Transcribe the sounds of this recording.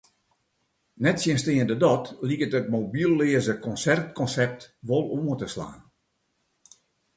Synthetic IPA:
nɛtsjənstɪːəndədɔtlikətət̚mobilˠleːəzəkɔnsɛrtkɔnsɛp̚tʋolˠoətəsla̰ːn

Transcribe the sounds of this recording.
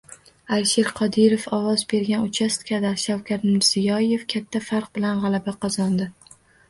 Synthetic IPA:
alʃeɾqʰɒd̪ɪɾofɒwɒzbe̞ɾɡʲanʊt͡ʃʰast̪kʲʰad̪aɾʃawkʲaɾt̪mɪɾz̥ɪjɒje̞fkʲʰat̪ʰːafaɾq̚bɪlanʁɑlˠabaqʰɑzɒnd̪ɪ

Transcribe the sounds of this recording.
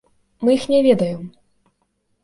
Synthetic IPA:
mɨjixnʲɛvʲɛd̪ɐjɛm

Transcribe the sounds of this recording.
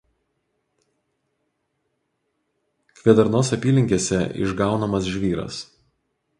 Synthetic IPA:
kʋʲiɛd̪ɐɾnoːsʲɐpʲiːlʲɪŋʲkʲeːsʲɛɪ̰ʒɡɑˑʊnɐmɐs̬ʒʲʋʲiːɾɐ̰s

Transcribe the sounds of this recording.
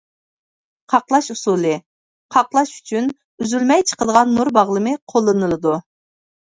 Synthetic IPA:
qʰɑqlˠɑʃusulˠɨ | qʰɑqlˠɑʃy̥t͡ʃʰyn | yzylmɛjt͡ʃʰə̥qəd̪əʁɑnːuɾbɑʁlˠɨmɨqʰolˠːɨnɨlˠɨd̪u

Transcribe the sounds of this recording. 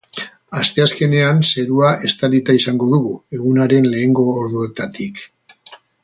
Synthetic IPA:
ast̪e̞aske̞ne̞anse̞ɾuaʔe̞st̪alit̪aisaŋɡo̞ðuɣue̞ɣunaɾe̞nle̞ːŋɡo̞ːɾðue̞t̪at̪ik

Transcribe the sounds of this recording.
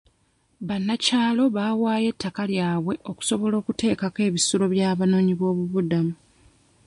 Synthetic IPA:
βanːacaːlo̞βaːwaːje̞tʰːakaljaːβwe̞ʔo̞ku̥so̞βo̞lo̞ːkute̞ːkake̞ːβisulo̞βjaːβano̞ːɲiβo̞ːβuβudamu

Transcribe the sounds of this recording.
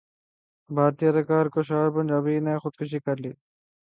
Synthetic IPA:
bʱaːɾt̪ijɐd̪əkaːɾkoʃaːɾpɐnd͡ʒaːbiːnɐxʊd̪̚kʰʊʃ̬iːkɐɾlḭː

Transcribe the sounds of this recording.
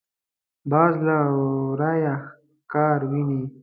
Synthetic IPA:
bɑːzlaɾaja | kɑːɾwini

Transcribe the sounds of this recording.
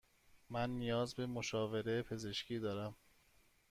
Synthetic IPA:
mænːijɒːzbe̞moʃɒːve̞ɾe̞pʰe̞ze̞ʃcʰiːd̪ɒːɾæm

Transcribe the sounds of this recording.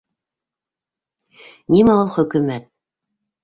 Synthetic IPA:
nʲimæolˠχɵ̆kʉmæt̪̚

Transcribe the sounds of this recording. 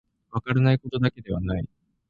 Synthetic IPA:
βakaɾanaiko̞t̪o̞d̪ake̞d̪e̞β̞anai

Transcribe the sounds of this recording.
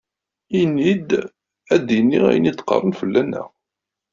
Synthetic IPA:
inːid̪ | æd̪inːiʁæ̰jənid̪qːɑ̰rˤːənfəlːænːæ̰

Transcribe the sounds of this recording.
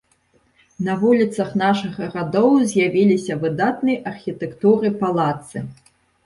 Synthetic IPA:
nɐvulʲit̪sɐxnaʂɨɣɐrad̪ɔwzʲjavʲilʲisʲɐvɨd̪at̪̚nɨjʔɐrxʲit̪ɛkt̪uɾɨpalˠat̪sɨ

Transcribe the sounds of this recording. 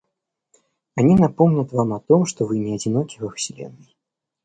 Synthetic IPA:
anʲinapɔmnʲɐt̪vamɐt̪ɔmʂt̪ɔvɨnʲɛɐd͡zʲinɔkʲivɐwsʲilʲɛ̰nːɨj

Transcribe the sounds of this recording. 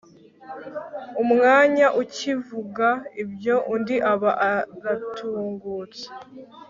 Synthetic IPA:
umŋaːɲaʔucivuɡaibjo̞ʔundiʔaβaʔaɡatʰuːŋɡuːt͡se̥

